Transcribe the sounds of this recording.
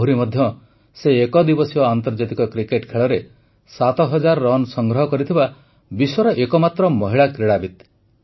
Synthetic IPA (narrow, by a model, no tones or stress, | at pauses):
ɦuɾimɔd̪ʱjɔ | seːkɔd̪ibɔsiɔant̪ɔɾd͡ʒat̪ikɔkɾikeʈkʰeɭɔɾe | sat̪ɔɦɔd͡ʒaɾɔɾɔnsɔŋɡɾɔɦɔkɔɾit̪ʰiba | biswɔɾɔʔekɔmat̪ɾɔmɔɦiɭakɾiɽabit̪